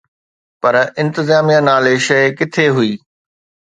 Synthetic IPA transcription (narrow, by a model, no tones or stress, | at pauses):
pɐɾɪ̃nt̪ɪzaːmijãnaːleʃɐɪkɪt̪ʰeɦʊiː